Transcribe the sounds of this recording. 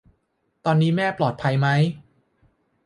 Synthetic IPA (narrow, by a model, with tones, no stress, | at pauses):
t̪ɔː˧nːiː˦˥mɛː˥˩plɔː˨˩t̪̚pʰa˧jma˦˥j